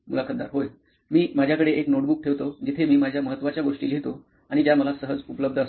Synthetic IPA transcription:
mulakʰənd̪a̰ɾɦoj | miːmad͡ʑʱjakəɽeʔeknoʈbuk̚ʈʰeʋt̪od͡ʑit̪ʰemiːmad͡ʑʱjaməɦət̪ːʋat͡ɕjaɡoʂʈiːljet̪o | aɽ̃id͡ʑjaməlasəɦəd͡zupələb̚d̪ʱəəs

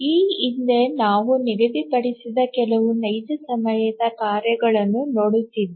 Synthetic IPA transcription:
iːind̪enaːʋuniɡɐd̪ipɐɽisid̪ɐkɛlɐʋunɐjd͡ʒ̪ɐsɐmɐjɐd̪ɐkaːɾjɐɡɐɭɐnːunoːɽit̪ːiʋi

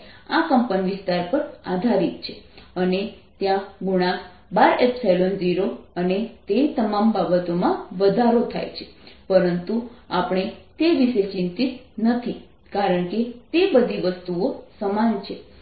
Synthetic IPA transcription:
akəmpəniʋɪst̪aɾpəɾa̰d̪ʱaɾit̪t͡ʃʰeəne | t̪jãɡuɽ̃a | baɾepselond͡ʒiɾoənet̪et̪əmambabət̪omãʋəd̪ʱaɾot̪ʰa̰jt͡ʃʰe̥pəɾənt̪uapɳ̃et̪eʋiʃet͡ʃɪ̃nt̪it̪nət̪ʰi | kaɾəɳket̪ebəd̪ʱiʋəst̪uosəmant͡ʃʰe

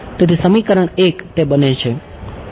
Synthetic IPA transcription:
t̪et̪isəmikəɾəɳekt̪ebənet͡ʃʰe

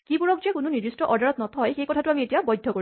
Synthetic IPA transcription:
kipuɹɔk̚d͡ʒekununiɹd̪isʈɔʔɔɹdaɹɔt̪̚nɔt̪ʰɔjxekɔtʰatuamietijabɔjd̪ʱːɔkoi

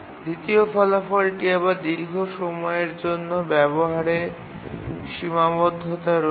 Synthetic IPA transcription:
d̪it̪iofɔlafɔlʈiebaɾd̪iɾɡʱoʃɔmɔeɾd͡ʑonːobɛboɦaɾe | ʃimabod̪ʱːot̪aɾo

